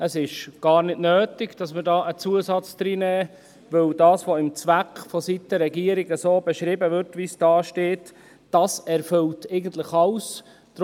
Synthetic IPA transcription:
əsɪʃɡ̥ɑːɾnɪdnøːtɪɡd̥ɑsməɾdɑːʔət͡suəsɑt͡sd̥̪ɾiːnɛː | ʋɵwdɑːsʋoɪmt͡sʋækχfɔsitəɾɛɡiəɾiɡəsoːbɛʃɾɪbəʋʏɾtʋisd̥ɑːʃteːt | d̥ɑsɛɾfɵltʰɛɪɡən̩t̪ləχɑws | d̥ɾ

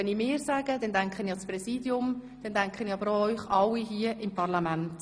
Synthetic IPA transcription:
ɛnimɪːɾsaːɡ̥əd̥ɛndæŋkχənisprɛsiːdjʊm | d̥ɛndæŋkχəniɑbəɾoœʏχɑwːiɦiəʔɪmpʰɑrlɑmænt

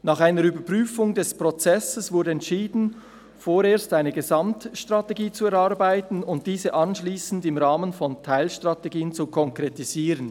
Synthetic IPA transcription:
naːχaɪnəɾybəpʁ̥yːfʊŋdɛspʁ̥ɔt͡sɛsəsvʊɐdəɛntʃiːdn̩ | foːɾeːɐstaɪnəɡəzamtʃtʁ̥ateɡiːt͡suɛʁaɾbaɪtn̩ʊnt̚d̥iːzəʔɑnʃliːsn̩dɪmʁaːmənfɔntʰaɪlʃtʁ̥ateɡiːənt͡sukʰɔŋkʁ̥etiz̥iːʁən

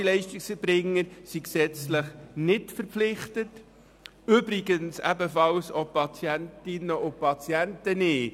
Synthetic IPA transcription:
ilɛɪʃtɪksəɾbɾɪŋːəɾsiksɛt͡sləχnɪtfəɾpflɪχtət | ʏbɾɪɡənsæ̰bəfɑlsɔpʰːɑt͡sjæntɪnəʔʊpʰɑt͡sjæntənɪː

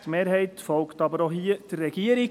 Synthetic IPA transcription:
tmeːɾɦɛɪtfɔlktɑbəɾoɦiəd̥əɾːɛɡ̥iəɾi

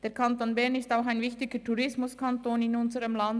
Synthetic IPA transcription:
d̥eːkʰantoːnbɛɐnɪstaʊxaɪnvɪçtɪɡətʰuʁɪsmʊskʰantoːnɪnʊnzəʁəmlan

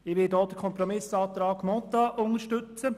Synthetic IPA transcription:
ɪʋɪdɔːd̥̪əkʰɔmpɾɔmɪsɑːt̪ɾɑːɡ̥mɔt̪ɑʔʊnəʃtʏt͡sə

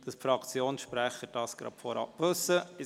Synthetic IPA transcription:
d̥ɑsfɾɑkt͡sjoːnsʃpɾæχəd̥ɑːsɡ̥ɾɑ̰pfɔɾɑ̰pʋɵsːəɪ

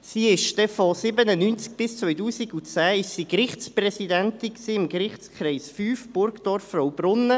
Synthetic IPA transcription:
siːɪʃd̥ɛfɔsɪbənənynt͡sk̚b̥ɪst͡sʋœʏtuːsiɡut͡sæːɪʃsiːkrɪχsprɛsidɛntɪnksiːɪmkrɪχt͡skχɾɛɪsfyːfb̥ʊɾɡd̥ɔɾfːrɔwb̥ɾʊnːə

